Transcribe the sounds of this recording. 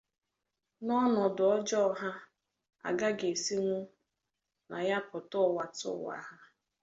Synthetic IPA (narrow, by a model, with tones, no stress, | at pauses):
nɔ˦nɔ˨dʊ˨ɔ˦d͡ʒɔ˦˨ɦa˦ | a̰˨ɡa˦ɡe˨si˦ŋʷu˦ | na˨ja˦pʊ˨tʊ˦˨wa˨tʊ̰˦wa̰˦ɦa˦